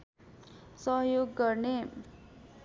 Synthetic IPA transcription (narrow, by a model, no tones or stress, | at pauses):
sʌɦjoɡːʌrne